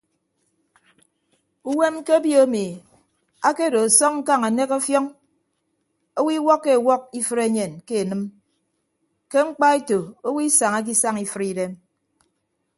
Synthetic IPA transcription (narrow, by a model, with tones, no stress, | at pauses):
u˦we˦mke˦bjo˦o˦mi˨ | a˦ke˦˨do˨a˨sɔ˦ŋŋ̩˦ka˦ŋa˨ne˦ko˦fjɔ˦ŋ | o˦wi˦wɔ˦kːe˦˨wɔ˦k̚i˦fɨ˦ɾe˦ɲe˨nke˦e˨nɨ˦m | ke˦ŋ͡m̩˦k͡pa˦e˦to˨o˦wi˦sa˨ŋa˦k̬i˦sa˦ŋi˨fɨ˦ɾi˦de˦m